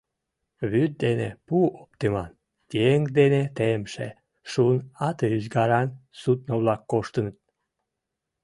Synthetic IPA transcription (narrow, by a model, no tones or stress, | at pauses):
βyd̪̚d̪enḛpuop̚t̪emɑ̰n | k̪eeŋkd̪enet̪emʃḛ | ʃunɑt̪əyzɡɑɾɑnsut̪̚noβlɑkːoʃt̪ənət̪̚